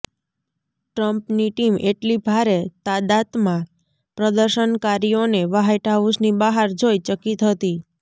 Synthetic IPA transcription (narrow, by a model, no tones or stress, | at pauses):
ʈɾəmpniʈimeʈlibʱaɾet̪ad̪at̪mã | pɾəd̪əɾʃənkaɾioneʋaɦajʈʰaʋusnibaɦaɾd͡ʒojt͡ʃəkit̪ɦət̪i